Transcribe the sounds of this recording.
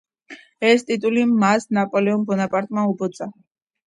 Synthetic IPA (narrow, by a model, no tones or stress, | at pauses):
ɛst̪ʼit̪ʼulimasnapʼɔlɛɔmbɔnapʼaɾt̪ʼmaubɔt̪sʼa